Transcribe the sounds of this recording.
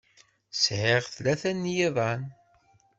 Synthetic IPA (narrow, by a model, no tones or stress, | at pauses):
sʕeʁθlæθænːjiðˤɑn